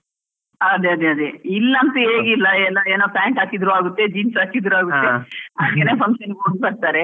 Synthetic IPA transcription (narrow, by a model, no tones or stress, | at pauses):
ɐd̪eɐd̪eɐd̪eilːɐɐnt̪ɐeːɡilːɐɛlːɐeːnoːplaːɳʈɦaːkid̪ɾuaːɡut̪ːed͡ʒiːnsaːkid̪ɾuaːɡuːeɐːkːeneːpʰɐŋkʃɐnɡoːɳɖ̚bɐɾt̪aːɾe